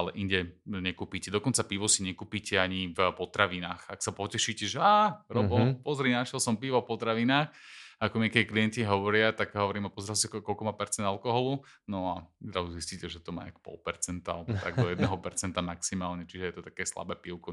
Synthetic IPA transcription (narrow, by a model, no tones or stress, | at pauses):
alɛʔiɲɟɛɲɛkuːpiːcɛd̪ɔkɔnt͡sapiʋɔsiɲɛkuːpiːcɛaɲivpɔt̪ɾaʋinaːxaksapɔcɛʃiːcɛʒɛaːɾɔbɔlpɔzɾinaʃɛlsɔmpiʋɔfpɔt̪ɾaʋinaːxakɔmiakɛkliɛnciɦɔʋɔɾɪat̪aɡɦɔʋɔɾiːmapɔzɛɾalsikkɔlkɔmaːpɛɾt͡sɛnd̪alkɔɦɔlunɔad̪ɾauziscicɛʒɛt̪ɔma̰akpɔ̰lˠpɛɾt͡sɛnt̪a̰bt̪aɡ̚d̪ɔjɛd̪nɛɦɔpɛɾt͡sɛnt̪amaksimaːlɲɛt͡ʃiʒɛjɛt̪ɔt̪akɛːsla̰bɛːpiʊkɔ